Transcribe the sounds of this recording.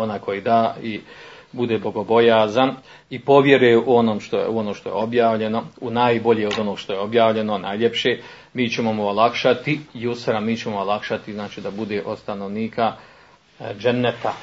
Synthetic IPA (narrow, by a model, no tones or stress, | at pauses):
onakʰo̞jid̪aːi | bud̪e̞ːbo̞ɡo̞bo̞jaːzan | ipo̞ʋje̞ɾeʔuo̞noːmʃt̪o̰uo̞noːʃt̪oje̞̰o̞bjaːʋʎe̞no̞unaːjbo̞ʎeod̪o̞noɡʃt̪oje̞o̞bjaːʋʎeno̞naːjʎepʃe | miːt͡ɕe̞momoolˠakʃat̪ijusɾamiːt͡ɕe̞moolˠakʃat̪iznaːt͡ʃiːd̪abud̪e̞ʔo̞st̪ano̞ʋniːka | d͡ʒenːet̪a